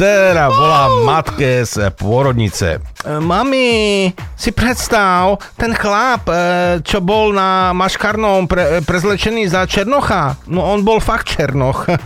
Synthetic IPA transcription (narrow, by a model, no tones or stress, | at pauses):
ɛɾaʋɔlaːmat̪kɛspʊɔɾɔd̪ɲḭt͡sɛ̰mami | sipɾɛt̪st̪aʊ | t̪ɛnxlaːpt͡ʃɔbɔlnamaʃkaɾnɔmpɾɛpɾɛzlɛt͡ʃɛniːzat͡ʃɛɾnɔxanɔɔnbɔlfakt̪̚t͡ʃɛɾnɔx